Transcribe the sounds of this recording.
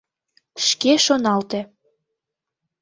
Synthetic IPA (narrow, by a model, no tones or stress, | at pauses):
ʃkeʃonɑlt̪ĕ